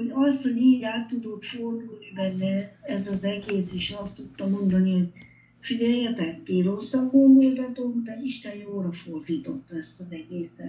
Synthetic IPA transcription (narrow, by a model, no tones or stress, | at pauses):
ho̞ɟɒst̪hoɟiːɟaːt̪ːud̪ot̪fo̞rd̪ulnibɛnːɛɛzɒzɛɡeːseʃɒst̪ut̪ːɒmo̞nd̪ɒniho̞ɟ | fidɛjjɛt̪ɛkt̪eːrosːɒŋkond̪olt̪ɒt̪okd̪ɛiʃt̪ɛnjoːɾɒfo̞rd̪iːt̪o̞t̪ːɒɛst̪ɒnɛɡeːsɛ